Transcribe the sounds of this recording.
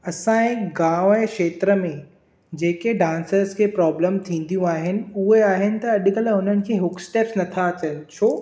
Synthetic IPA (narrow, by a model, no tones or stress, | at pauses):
ɐsãẽːɡãːʊɛːkʃeːt̪ɾəmẽ | d͡ʑeːkeɖãːnsəɾskʰeːpɾɔːbləmt̪ʰĩːn̆d̪ijũaːɦɪnɪ̆ʊɦeaːɦɪnɪ̆t̪ɐɐɗkɐlɦʊn̤ənɪ̆kʰeːɦʊksʈeːpsnɐt̪ʰat͡ɕəlt͡ɕʰoː